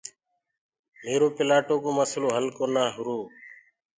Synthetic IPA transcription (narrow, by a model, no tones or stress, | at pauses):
meːɾoːpɪlaːʈoːkoːməsloːɦəlkoːnaːɦʊɾoː